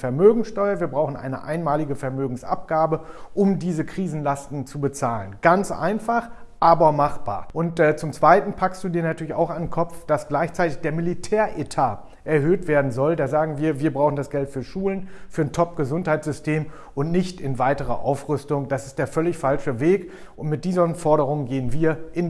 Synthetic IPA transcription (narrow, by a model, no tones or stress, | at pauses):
fɛɐmøːɡŋ̩sʃtɔʏɐviːɐbʁaʊxn̩ʔa̰ɪnəʔa̰ɪnmaːlɪɡəfɛɐmøːɡŋ̩sʔa̰p̚ɡ̥aːbəʔʊmdiːzəkʁ̥iːzn̩lastn̩t͡subət͡saːlənɡ̥ant͡sʔa̰ɪnfaχʔaːbɐmaχb̥a̰ːɐʔʊntɛːt͡sʊmt͡sv̥aɪtn̩pʰakstd̥uːdiːɐnatʰyːɐlɪça̰ʊxandenkʰɔp͡fd̥asɡ̥laɪçt͡saɪtɪçd̥eːɐmɪlitʰɛːɐʔetʰaː | ʔɛɐhøːtv̥eːɐdn̩zɔldeːɐzaːɡŋ̩viːɐviːɐbʁaʊχn̩dasɡ̥ɛltfyːɐʃuːlənfyːɐntʰɔp̚ɡ̥əzʊnthaɪtz̥ʏstʰeːm | ʔʊntnɪçtɪnvaɪtəʁɐ̰ʔa̰ʊfʁ̥ʏstʊŋd̥asɪst̚d̥eːɐfœlɪçfalʃəveːk | ʔʊntmɪt̚d̥iːzɐnfɔɐɾəʁ̞ʊŋənɡeːənviːɐʔɪn